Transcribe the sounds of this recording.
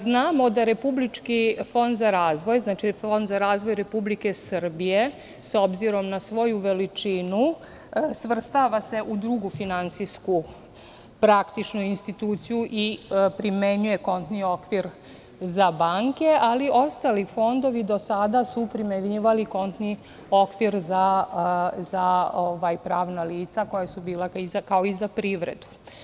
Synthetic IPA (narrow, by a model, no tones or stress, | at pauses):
znaːmo̞d̪aɾe̞publit͡ʂkifo̞nd̪zaɾaːzʋo̞jznat͡ʃifo̞nd̪zaɾaːzʋo̞jɾe̞publike̞srbije̞ | so̞bziɾo̞mnasʋo̞juʋe̞lit͡ʂinu | sʋr̩st̪aʋase̞ʔud̪ɾuɡufinant̪sisku | pɾakt̪it͡ʃnuinst̪it̪uːt̪sijuʔipɾimeɲujeko̞nt̪nio̞kʋiɾ | zabaŋke̞ʔaliʔo̞st̪alifo̞nd̪o̞ʋid̪o̞sad̪asupɾimeɲiʋaliko̞nt̪ni | o̞kʋiɾza | zaoʋajpɾaːʋnaliːt̪sako̞jasubiːlaizakaoizapɾiʋɾḛd̪u̥